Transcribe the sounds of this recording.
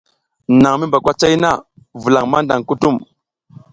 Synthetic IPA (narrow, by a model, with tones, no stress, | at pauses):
na˨ŋmi˦mba˨kʷa˦t͡ʃa˦jna˦˨ | vu˨la˨ŋma˦nda˨ŋku˦tu˦˨m